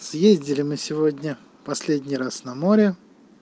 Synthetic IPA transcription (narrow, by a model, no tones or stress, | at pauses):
sjezʲdʲɪlʲɪmɨsʲɪvo̞dʲnʲə | pɐsʲlʲedʲnʲɪjɾasnɐmoɾʲɪ